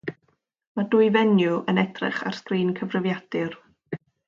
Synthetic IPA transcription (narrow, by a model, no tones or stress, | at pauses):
madʊːjvɛnjʊʔənɛd̥rɪ̰χa̰r̥strɪːnkʰəvrɪvjad̥ɨr